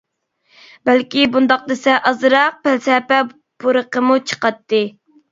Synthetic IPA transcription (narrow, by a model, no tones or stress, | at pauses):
bælkʲibund̪ɑq̚d̪ɨsɛʔɑzɨɾɑq̚pælsɛpɛ | b̥uɾəqəmut͡ʃʰə̥qɑt̪ːɨ